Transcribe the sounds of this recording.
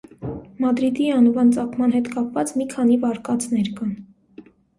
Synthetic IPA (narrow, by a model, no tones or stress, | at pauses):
mɑd̪ɾid̪iɑnvɑnt͡sɑkʰmɑnɦɛt̪kɑpvɑt͡smikʰɑnivɑɾkɑt͡snɛɾkɑn